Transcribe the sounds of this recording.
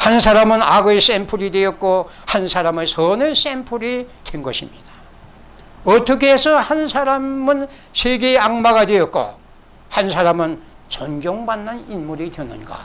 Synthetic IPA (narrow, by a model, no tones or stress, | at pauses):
hansʰaɾamɯnaɡɯes͈empʰuɾidwejʌk̚k͈o | hansʰaɾamɯsʰʌnɯs͈empʰuɾid̥wenɡʌɕʰimɲid̥ḁ | ʌt͈ʌkʰesʰʌhansʰaɾammɯn | sʰeɡeaŋmaɡadwejʌk̚k͈o̰ | hansʰaɾamɯn | t͡ɕʌnɡjoŋbanːɯninmuɾidwenɯ̰nɡa̰